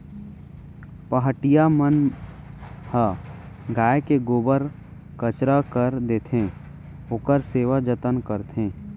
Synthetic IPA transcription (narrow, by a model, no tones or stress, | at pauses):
pəɦəʈijamən | hə | ɡaːekeɡoːbəɾ | kət͡ʃɾakəɾd̪eːt̪ʰẽː | ʊkəɾseːʋad͡ʒət̪ənkəɾt̪ʰẽː